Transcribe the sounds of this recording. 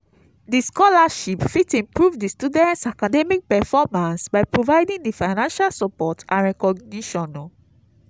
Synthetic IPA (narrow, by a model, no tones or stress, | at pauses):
diskɔlaʃipfitĩmpɹuvdistudɛ̃ntsakadɛmik̚pɛfɔmãnsbaɪpɹovajdĩŋdifaɪnãnʃalsɔpɔtãɹɛkɔɡ̚niʃɔ̃nɔ